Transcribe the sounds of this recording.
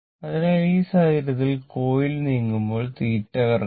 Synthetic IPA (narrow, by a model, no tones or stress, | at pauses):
ɐðineɻiːsaːjiɾɐðilko̞ːjilniːŋːumbo̞ːɭt̪iːʈːɐɣɐr